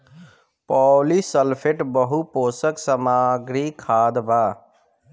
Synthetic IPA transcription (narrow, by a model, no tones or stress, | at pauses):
pɔlisəlpʰeʈbəɦuposəksəmaɡɾikʰad̪ba